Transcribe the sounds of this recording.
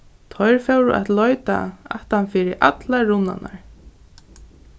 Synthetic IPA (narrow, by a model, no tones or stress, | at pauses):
t̪ʰɔjɹfɛwɾṵʔɛt̪lɔjt̪a̰aht̪hanfiːɾɪʔa̰t̪laɹʊnːa̰na̰ɹ